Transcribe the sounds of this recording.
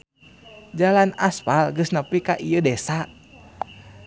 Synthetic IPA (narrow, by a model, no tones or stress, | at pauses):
d͡ʒalanaspalɡəsnapikaʔijədɛsa